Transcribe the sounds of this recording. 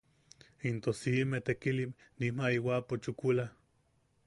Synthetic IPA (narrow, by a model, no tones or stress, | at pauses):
int̪osimeht̪ekilimnimaiwapot͡ʃukula